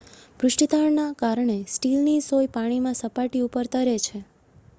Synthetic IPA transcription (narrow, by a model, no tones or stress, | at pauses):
pɾʊʃʈit̪aɾnakaɾɳ̃esʈilnisojpaɽ̃imãsəpaʈiupəɾt̪əɾet͡ʃʰe